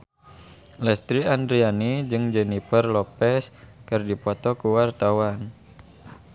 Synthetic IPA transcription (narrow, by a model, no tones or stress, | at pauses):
lɛst̪ɾiand̪ɾianid͡ʒɨŋd͡ʒɛnifərlɔpɛskɨrdipɔt̪ɔkuwart̪awan